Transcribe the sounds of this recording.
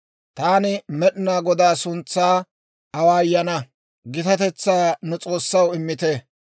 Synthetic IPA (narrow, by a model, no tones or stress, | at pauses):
t̪aːnɪmɛɗɪnaːɡɔd̪aːsʊnt͡sːaː | ɐwaːjːɐnɐ | ɡɪt̪ɐt̪ɛt͡sːaːnɛt͡sʼo̞ːsːɐwɪmːɪt̪e